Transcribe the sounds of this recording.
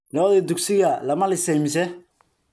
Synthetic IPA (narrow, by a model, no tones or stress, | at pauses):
nɔːðɛd̪ʊksɪɣɐlɐmɐlɪsɛjmɪs̬ɛ